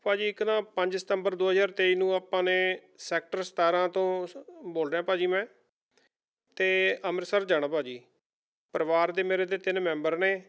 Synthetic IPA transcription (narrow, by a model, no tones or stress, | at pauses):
paːd͡ʒiːɪknãːpə̃ɲd͡ʒsə̥t̪əmbəɾd̪oːɦəzaːɾt̪eːiːnũːaːpãːneː | sɛːk̚ʈəɾst̪aːɾãːt̪õːboːlɖɛ̃ːpaːd͡ʒiːmɛ̃ː | t̪eːəməɾsəɾd͡ʒəɽ̃ãːpaːd͡ʒiː | pəɾəʋaːɾd̪eːmeːɾeːd̪eːt̪ɪnmɛ̃ːmbəɾneː